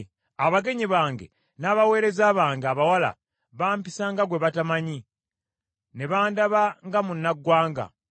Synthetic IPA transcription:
aβaɡe̞ɲiβaːŋɡe̞̰ | naːβawe̞ːɾe̞zaːβaːŋɡeaβawala̰ | βaːmpisaŋɡaɡwe̞βatamaɲi | ne̞βaːndaβaŋɡamunːaɡːwaːŋɡa̰

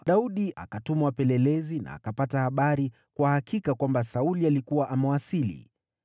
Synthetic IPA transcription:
ɗauɗiʔa̰katumawapɛlɛlɛzina̰ːkapatahaɓaɾi | kwahakikakwambasaulialikuwaʔamɛwasilḭ

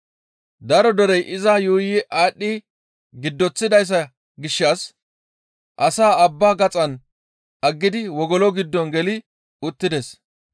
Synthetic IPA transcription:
d̪ɐɾɔd̪ɔɾɛjʔɪzɐjuːjɪʔaːɗːɪ | ɡɪd̪ːɔt͡sːɪd̪ɐjs̬ːɐ | ɡɪʃːas | ʔɐsaːɐbːaːɡɐt͡sʼɐn | ʔɐɡːɪd̪ɪwɔɡɔlɔɡɪd̪ːɔnɡɛlɪ | ʊt̪ːɪd̪ɛs

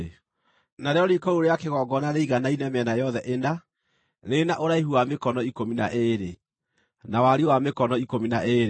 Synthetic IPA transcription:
naɾeɔɾikɔɾoɾeakeɣɔɡɔnaɾeiɣanainɛmɛnajɔðɛʔenda | ɾenaʔoɾaiɦuamekɔnɔikominaʔeɾe | nawaɾiowamekɔnɔikominaʔeɾ

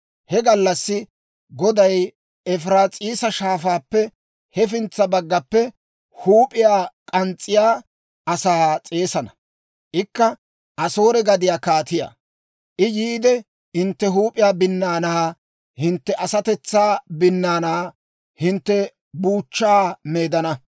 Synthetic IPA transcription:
hɛɡɐlːɐsːɪ | ɡɔd̪ɐj | ɛfɾaːt͡sʼiːsɐʃaːfaːpːɛ | hɛfɪnt͡sːɐbɐɡːɐpːɛ | huːpʼɪjaːkʼɐnt͡sʼːɪjaː | ʔɐsaːt͡sʼe̞ːsɐnɐ | ʔɪkːɐ | ʔɐso̞ːɾɛɡɐd̪ɪjaːkaːt̪ɪja̰ː | ʔɪjiːd̪ɛ | hɪnt̪ːɛɦuːpʼɪjaːbɪnːaːnaː | hɪnt̪ːɛʔɐsɐt̪ɛt͡sːaːbɪnːaːnaː | hɪnt̪ːɛ | buːt͡ʃːaːme̞ːd̪ɐnɐ

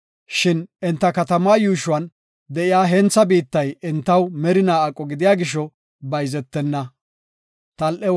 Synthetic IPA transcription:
ʃɪnɪnt̪ːɐkɐt̪ɐmaːjuːʃʊwɐn | d̪ɛʔɪjaːɦɛnt͡sːɐbiːt̪ːɐjɛnt̪ːɐwmɛɾɪnaːɐkʼːɔɡɪd̪ɪjaːɡɪʃɔ | bɐjzɛt̪ːɛnːɐ | t̪ɐlʔɛ

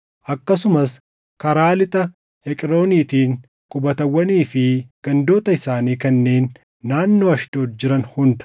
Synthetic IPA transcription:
ʔɐkːɐs̬ʊmɐs | kɐɾaːlɪt̪ɐ | hɛkʼɪɾo̞ːniːt̪iːŋ | kʼʊbɐt̪ɐwːɐniːfɪɡ̥ɐnd̪o̞ːt̪ɐɪsaːniːkɐnːe̞ːnː | aːnːo̞ːɐʃd̪̥o̞ːt̪̚d͡ʒɪɾɐnhʊnd̪ɐ̥

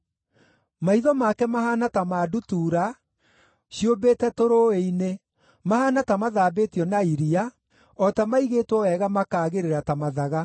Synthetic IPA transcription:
maiðɔmakɛmaɦanatamaːdutuːɾa | ɕiobeːtɛtoɾoeine | mahanatamaðaːbetiɔnaiɾia | ɔtamaiɣeːtwɔwɛɣamakaːɣeɾeɾatamaðaɣa

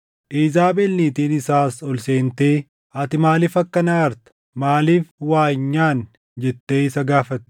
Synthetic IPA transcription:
ʔiːzaːbɛlːiːt̪iːnɪsaːsɔlseːnt̪e̞ː | ɐt̪ɪmaːliːfɐkːɐnɐɐɾt̪ɐ̥ | maːliːfwaːɲːaːn | d͡ʒɛt̪ːe̞ːɪsɐɡaːfɐt̪ː

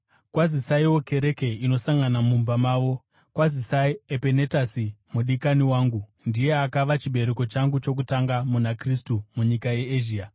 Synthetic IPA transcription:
kwazisaiwo̞ke̞ɾe̞ke̞ino̞saŋɡanamumbamaːʋo̞ | kwazisaiepene̞tasimuɗikaniwaːŋɡu | ndije̞akaʋat͡ʃiɓe̞ɾeko̞t͡ʃaŋɡut͡ʃo̞k̬utaŋɡamunakristumuɲikaje̞ːʒiːa

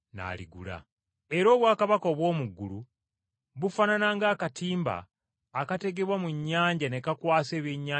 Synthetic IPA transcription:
na̰lḭɡṵla̰ | e̞ɾo̞ːβwaːkaβako̞βwo̞ːmuɡːulu | βufananaŋɡaːkatiːmba̰ː | kate̞ɡe̞βwamuɲːaːɲɟanekakwaːse̞ːβeɲːaː

